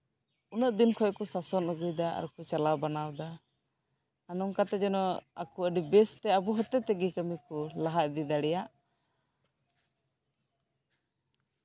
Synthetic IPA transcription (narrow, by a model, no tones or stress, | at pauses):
unəʔd̪inkʰɔkɔsasɔnəɡujd̪aa̰ɾkut͡ʃalabanawd̪a | nɔŋkat̪ɛd͡ʒɛnɔa̰kuəɖibɛst̪ɛabuɦɔt̪ɛt̪ɛɡikəmikɔlaɦaʔ̚d̪id̪aɽɛjaʔ